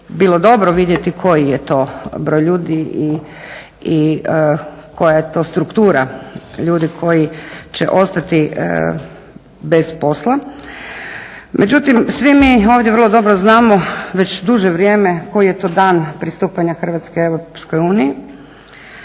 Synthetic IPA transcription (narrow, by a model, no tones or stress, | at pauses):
biːlˠo̞d̪o̞bɾoʋid̪jet̪ikʰo̞jijet̪o̞bɾo̞jʎuːd̪ii | i | kʰo̞jajet̪o̞ːst̪ɾukt̪uːɾaʎuːd̪ikʰo̞jit͡ɕḛʔo̞st̪at̪i | be̞spo̞slˠa | mʔed͡ʑut̪imsʋimioːʋd̪jeʋər̩lˠod̪o̞bɾoznaːmoʋet͡ɕd̪uʒeʋɾʲjeːmeko̞jije̞t̪o̞ːd̪aːnpɾist̪uːpaɲaxr̩ʋat̪skeeʋɾopskojuːniji